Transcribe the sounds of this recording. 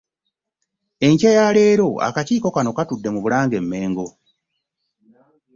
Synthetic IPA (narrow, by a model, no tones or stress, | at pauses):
e̞ɲcajaːleːɾo̞a̰kaciːko̞kano̞katudːe̞muβulaːŋɡe̞mːe̞ːŋɡo̞